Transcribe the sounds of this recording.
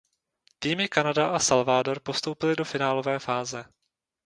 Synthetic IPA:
t̪iːmɪkanadaʔasalvaːdo̞ɾpo̞st̪o̞wpɪlɪdo̞fɪnaːlo̞vɛːfaːzɛ

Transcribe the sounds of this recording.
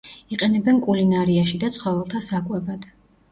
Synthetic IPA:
iqʼɛnɛbɛnkʼulinaɾiaʃid̪at̪sʰχɔvɛlˠt̪ʰasakʼwɛbad̪̥

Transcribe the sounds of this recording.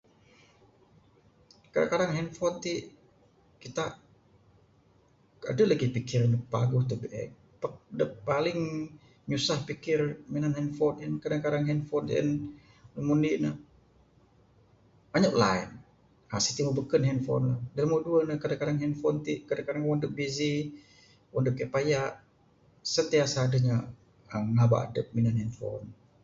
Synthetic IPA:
kada̰ŋkadaŋɦɛnfɔnt̪iʔ | kit̪a | a̰dəlaɡipikɪrnəpa̰ɡʊht̪əbeʔɛ̰ | padəpalɪŋ | ɲusahpikɪrminanhɛnfɔnənkadaŋkadaŋɦɛnfɔnə̰n | ləmuninə | baɲaʔla̰ḭn | hasit̪iməbəkənɦɛnfɔ̰nlahdalmoduənəkadaŋkadaŋɦɛnfɔnt̪iʔkadaŋkadaŋwɔndəbizi | wʔɔndəp̚kɛʔpajaʔ | sət̪iasaːdəɲa | əŋaba̰a̰dəp̚minanhɛnfo̰n

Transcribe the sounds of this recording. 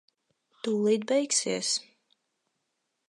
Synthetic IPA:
t̪ulˠiːd̪bɛjksiɛs

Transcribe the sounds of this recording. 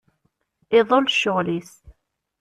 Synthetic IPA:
ɪðˤolʃːʊʁlis

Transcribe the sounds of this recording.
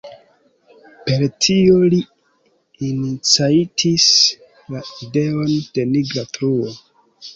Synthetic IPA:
pe̞ɾtʰioliː | nit͡saitʰis | laide̞o̞nd̥e̞niɡlatɾuo

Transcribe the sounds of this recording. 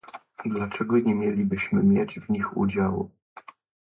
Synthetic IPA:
d̪lat͡ʂɛɡɔɲɛmʲjɛlʲibɘɕmɘmʲjɛd͡ʑvɲixṵd͡ʑawṵ

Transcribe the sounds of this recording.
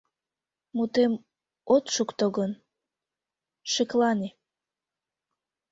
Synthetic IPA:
mut̪em | ot̪ʃukt̪oɣən | ʃeklɑne

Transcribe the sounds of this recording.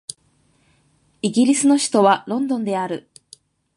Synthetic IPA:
iɡʲiɾʲisɨno̞ɕi̥t̪o̞βaɾõ̞nd̪õ̞nd̪e̞aɾɯ̟

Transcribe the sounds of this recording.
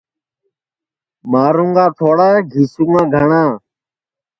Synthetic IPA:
maːɾũːŋɡaːt̪ʰoːɽaːɡʱiːsũːŋɡãːɡʱəɳãː

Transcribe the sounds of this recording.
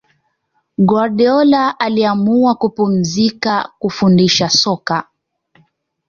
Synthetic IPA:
ɡaɾɗɛɔlaʔaliamuakupum̩zikakufundiʃasɔka

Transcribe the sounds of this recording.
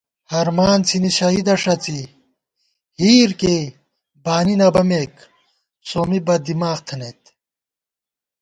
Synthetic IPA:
hɐɾmaːnt͡sʰiniɕɐid̪ɐʂɐt͡si | hiːɾke | baːninɐbɐmek | soːmibɐd̪imaːxt̪ʰɐnet̪

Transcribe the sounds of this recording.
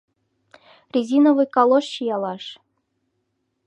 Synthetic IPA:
rʲizʲinŏvɨjkɑlˠoʃɕijɑlˠɑʂ

